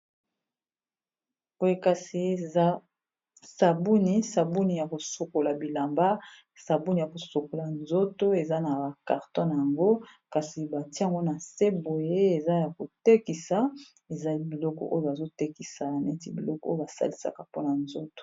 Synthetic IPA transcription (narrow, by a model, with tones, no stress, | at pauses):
bo˦je˦ka˨si˨˦ | sa˨bu˦ni˦sa˨bu˦ni˨ja˨ko˨so˨ko˨la˨bi˨la˨mba˦ | sa˨bu˦ni˨ja˨ko˨so˨ko˨la˨nzo˦to˦e˨za˦na˨ba˨ka̰˨ʁtɔ̃˦na˨ja˨ŋɡo˦ka˨si˨ba˨ti˦a˨ŋɡo˦na˨se˦bo˨je˦e˨za˦ja˨ko˨te˦ki˨sa˦ | e˨za˨˦i˦bi˨lɔ˦kɔ̰˨ʔo˦jo˦ba˨zo˦te˦ki˨sa˨a˨nɛ˦ti˦bi˨lɔ˦kɔ˦o̰˦o˦ba˨sa̰˦li˦sa̰˦ka˨po˦na˨nzo˦to̥˨